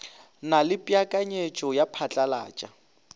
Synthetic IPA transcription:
nalɪpʼjakʼaɲet͡ʃʼɔjapʰat͡ɬʼala̰ːt͡ʃʼa

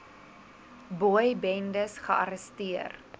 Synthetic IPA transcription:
bojbɛndəsχəʔɐɾəstiər

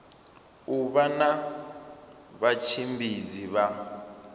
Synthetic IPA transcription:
uβana | βat͡ʃʰimbʱiziβa

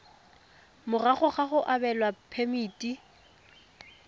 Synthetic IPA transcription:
mʊraχʊχaχʊʔabɛlwapʰemiːtʼi

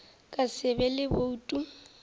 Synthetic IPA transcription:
kʼasɪbɛlɪboutʼu

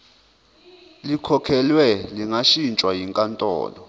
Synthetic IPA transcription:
likʰɔkʰɛlwɛliŋaʃint͡ʃʼwajiŋkʼantʼɔ̰ːlɔ

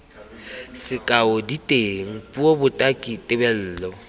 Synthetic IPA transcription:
sɪkʼaʊditʼeŋ̩pʼuobʊtʼakʼitʼɪbɛl̩ːlɔ

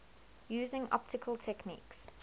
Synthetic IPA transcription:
juːzɪ̃ŋʔɔ̰p̚tɪkʰəlˠtʰɛknḭːks

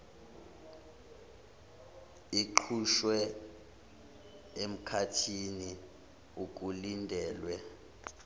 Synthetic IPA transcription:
iǃʰuʃwɛ | em̩kʰatʰini | uk̬ʼulindʱɛːlwɛ

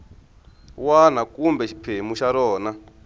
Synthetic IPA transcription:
wan̤akumbɛʃʰi̥pʰemuʃaɾɔːna

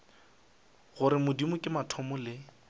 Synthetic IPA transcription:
ɣʊɾɪmʊdimʊkʼɪmatʰɔmʊlɪ

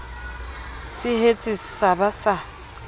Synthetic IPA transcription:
sɪhet͡sʼissabasa

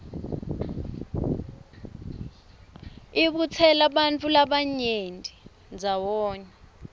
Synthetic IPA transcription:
iɓut͡sʰɛlaɓant͡fʰʼulaɓaɲendʱi | nd͡zʱawɔːɲɛ

